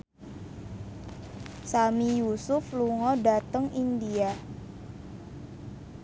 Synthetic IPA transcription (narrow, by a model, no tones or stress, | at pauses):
samijusʊfluŋɔdat̪əŋindia